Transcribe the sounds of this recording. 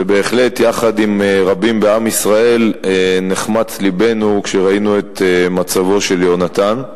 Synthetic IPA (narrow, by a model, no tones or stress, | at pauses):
ebe̞ːχle̞tjaχadimʁabimbeamisʁae̞lneχmat͡slibe̞nukʃeʁainue̞t̪emat͡savo̞ʃe̞ljo̞nat̪an